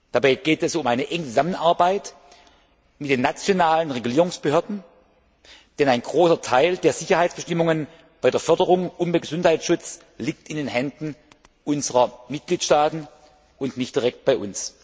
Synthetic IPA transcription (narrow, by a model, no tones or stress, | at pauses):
d̥abaɪɡ̥eːtɛsʊmʔaɪnəʔɛŋət͡suzamənʔaɐbaɪt | mɪt̚d̥eːnːat͡sjonaːlənʁeɡuliːʁʊŋsb̥əhøɐdn̩ | d̥ɛnaɪnɡʁoːsɐtʰaɪldeːɐz̥ɪçɐhaɪtt͡sb̥əʃtɪmʊŋən | b̥aɪdeːɐfœɐdəʁʊŋʔʊmbəɡəzʊnthaɪtsʃʊt͡s | liːk̚tɪndeːnɦɛndn̩ | ʔʊnzəʁɐmɪt̚ɡ̥liːtʃtaːtn̩ | ʊntnɪçtd̥iʁɛk̚t̚b̥aɪʔʊns